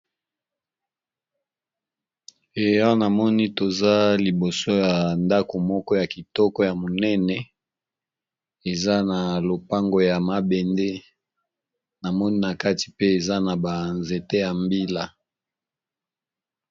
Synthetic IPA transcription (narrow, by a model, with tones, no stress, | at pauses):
e˨jɔ˦na˨mɔ˦ni˦to˨za˦li˨bo˨so˦ja˨nda˦ko˨mɔ˦kɔ˦ja˨ki˨tɔ˦kɔ˦ja˨mo˨nɛ˦nɛ˨ | e˨za˦na˨lo˨pa˦ŋɡo˨ja˨ma˨bɛ˨nde˦ | na˨mɔ˦ni˦na˨ka˦ti̥˨pe˦e˨za˦na˨ba˨nze˨te˦ja˨mbi˦la˨